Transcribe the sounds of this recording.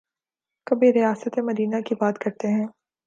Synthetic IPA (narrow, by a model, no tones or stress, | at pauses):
kɐbiɾijaːsət̪emɐd̪iːnakibaːt̪kɐɾt̪eɦɛ̃ː